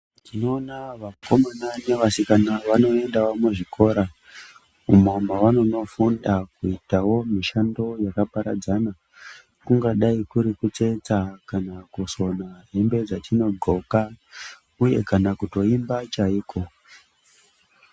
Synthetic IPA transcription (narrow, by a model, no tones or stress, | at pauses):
tino̞ːnaʋakomanaɲeʋasikanaʋano̞e̞ndawomuʐikʰo̞ɾa | umomaʋano̞no̞fundakuitawo̞miʃando̞jakapaɾa̰d͡zana | kuŋɡaɗaikuɾikut͡se̞t͡sakanakuso̞naɦe̞mbe̞d͡zatʰino̞ɡʱo̞ka | uje̞̰kanakuto̞imbat͡ʃaiːkʰo̞